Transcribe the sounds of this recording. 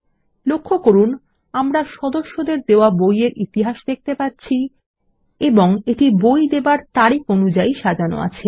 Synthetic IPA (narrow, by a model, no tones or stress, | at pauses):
lokʰːokoɾun | amɾaʃɔd̪oʃːod̪eɾd̪eoabojeɾit̪iɦaʃd̪ek̚t̪epaɾt͡ɕʰi | eboŋeʈibojd̪ebaɾt̪aɾikonud͡ʑaiʃad͡ʑano̰a̰t͡ɕʰe